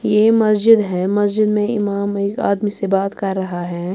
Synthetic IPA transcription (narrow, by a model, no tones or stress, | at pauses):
jeːmɐsd͡ʒɪd̪ɦɛːmɐsd͡ʒɪd̪mẽɪ̰maːmeːka̰ːd̪misebaːt̪kɐɾːɐɦaɦɛː